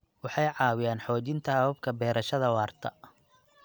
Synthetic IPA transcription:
wɑħɑjʕɑːwɪjaːnħɔːt͡ʃɪnt̪ʰɐhɐβɐbkʰɐbɛːɾʔɐʃɐðɐwɑːrt̪ʰɐ

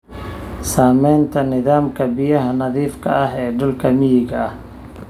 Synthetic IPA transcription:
saːmɛjnt̪ʰɐnɪðaːmkʰɐbɪjɐɦɐnɐðiːfkʰɐɐɦɛːɖʊlkʰɐmɪjɪɣɐɐh

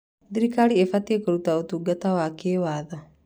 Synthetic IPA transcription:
diɾikaɾiefatiekoɾutaotuɡatawakeːwaːða

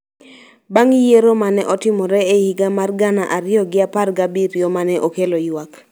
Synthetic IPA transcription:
baŋjeɾomanɛʔɔtɪmɔɾɛehiɡamarɡanaʔaɾɪjɔɡɪaparɡabiɾjomanɛʔokelojwak

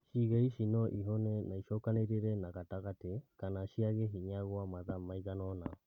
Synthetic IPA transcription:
ʃiɣaiʃinɔʔiɦonɛnaiʃɔkaneɾeɾɛnaɣataɣatekanaʃiaɣeɦiɲaɣwamaðamaiɣanɔna

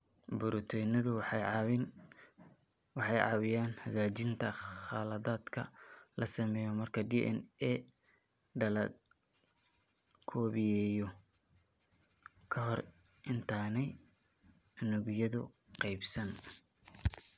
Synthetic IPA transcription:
bʊɾʔʊt̪ʰɔjnɐðʊ | wɑħɑjʕɑ̰wɪjaːnhɐɣaːt͡ʃɪnt̪ʰɐχɑːlɐðaːd̪kʰɐ̰lɐsɐmɛːjɔmɐrkʰɐd̪iʔɛ̰nɛ | ɖɐlɐd̪̚ | kʰɔːβɪjɛːjɔ | kʰɐɦɔr | ʔɪnt̪ʰaːnɛj | ɐnʊɣjɐðʊ | qɑjbsɐn

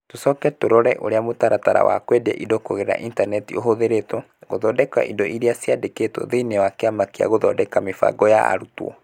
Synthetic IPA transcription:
tosɔkɛtoɾɔɾɛʔoɾeamotaɾataɾa̰wa̰kwɛdɛ̰ʔindokoɣeɾa̰ʔintanɛtioɦoðeɾetɔ | ɣoðɔdɛka̰ʔindɔʔiɾeasiadeketɔ̰ðeinewakeamakea̰ɣoðɔdɛkamefa̰ɡɔja̰a̰ɾutwɔ̰

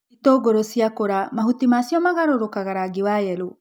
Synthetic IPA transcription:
itoɡoɾosiakoɾamahutimasiɔmaɣaɾoɾokaɣaɾaɡiwajɛɾo

